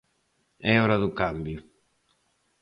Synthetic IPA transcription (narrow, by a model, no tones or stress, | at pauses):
ɛɔɾaðukambjʊ